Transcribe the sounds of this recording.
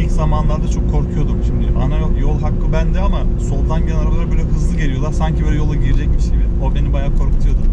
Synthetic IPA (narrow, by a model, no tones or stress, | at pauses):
iczamanlˠaɾd̪at͡ʃʰo̞kʰːo̞ɾkʰujo̞d̪umʃimd̪ɪʔa̰najo̞lˠɦakːɯbænd̪ɛamaso̞lˠd̪anɟeɛnaɾabalˠaɾabøːlʲɛɦɯzlˠɯɟe̞lʲijo̞lˠaɾsaɲcʰibølʲɛjo̞lˠaɟiɾed͡ʒɛc̚biʃejbiobe̞nibajaːkʰo̞ɾkut̪ʰujo̞d̪um